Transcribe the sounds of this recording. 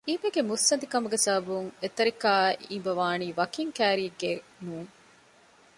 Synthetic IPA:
iːbeɡemusːɐnd̪ikɐmuɡesɐɦɐbuŋet̪ɐɾikaːʔimbɐʋaːniːʋɐkiŋkæːɾiːɡenuːŋ

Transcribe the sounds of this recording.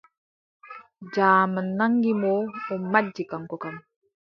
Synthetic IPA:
d͡ʒaːmənːaŋɡimoɔmːad͡ʒːikaŋkɔkam

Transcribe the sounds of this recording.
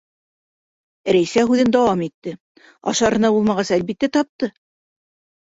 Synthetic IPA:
ɾæjsæɦʉðɘnd̪ɑwɑmit̪ːɘ | ɑ̰ʃɑɾɤ̆nɑbulˠmɑʁɑsælbit̪ːæt̪ɑp̚t̪ɤ

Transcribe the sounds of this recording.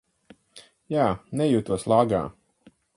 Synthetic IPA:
jaːnɛjuːt̪uɔslˠaːɡa̰ː

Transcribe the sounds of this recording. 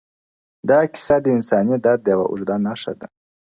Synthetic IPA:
d̪ɑkɪ̥sad̪əinsɑnid̪aɾd̪jawa̰ʔṵʐd̪anːaʂa̰d̪a

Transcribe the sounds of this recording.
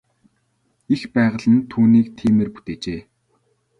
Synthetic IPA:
ixpæːʁə̆ɮə̆nt̪ʰuːniːkt̪ʰiːmerpu̥t̪eːt͡ɕeː

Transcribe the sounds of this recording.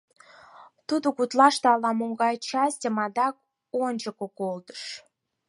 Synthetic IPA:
t̪ud̪okut̪lɑʃt̪ɤɑlɑmoŋɡɑjt͡ɕɑsʲtʲəmɑd̪ɑk̚ | onʲd͡ʑəkokold̪ə̥ʃ

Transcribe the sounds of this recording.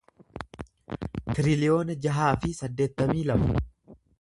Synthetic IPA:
t̪ɪɾɪlɪo̞ːnɐd͡ʒɐɦaːfɪsɐd̪ːeːt̪ːɐmiːlɐbʊ

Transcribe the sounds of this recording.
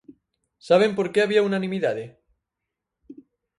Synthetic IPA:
saβ̞empoɾkeaβiaunanĩmiðaðe

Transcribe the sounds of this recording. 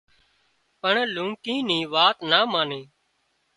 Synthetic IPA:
pəɳlũːkĩːnĩːʋaːt̪naːmaːnẽː

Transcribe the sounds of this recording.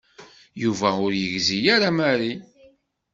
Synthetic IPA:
juvæʊɾjəʝzijaɾamæɾi

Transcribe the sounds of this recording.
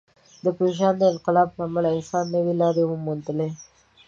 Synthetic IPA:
d̪əpɾoʒɑnd̪əɪnqɪlɑblɑːmalaɪnsɑnːəwilɑɾewəmunt̪əle

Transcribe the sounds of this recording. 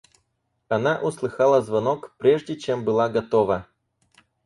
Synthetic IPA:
ɐnaʔʊslˠɨxalˠəzvɐnokpɾʲeʐdʲɪt͡ɕembɨlˠaɡɐt̪ovə

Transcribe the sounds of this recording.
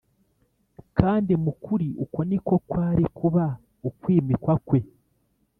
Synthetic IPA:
kaːndimukuɾiuko̞niko̞kwaːɾikuβa | ukwiːmikwakwe̞

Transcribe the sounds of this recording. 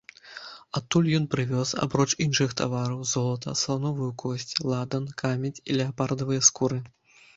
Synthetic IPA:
at̪ːulʲjɔnpɾɨvʲɔsa̰bɾɔt͡ʂinʂɨxt̪avaɾɐwzɔlˠɐt̪ɐ̰slˠanɔvɨjukʰɔsʲt͡sʲlˠad̪ɐnkʰamʲɛt͡sʲḭlʲɛapard̪ɐvɨjɐskuɾɨ

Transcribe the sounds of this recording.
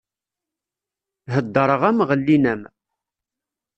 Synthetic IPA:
ɦəd̪ːəɾˤəʁæmʁəlːinæm

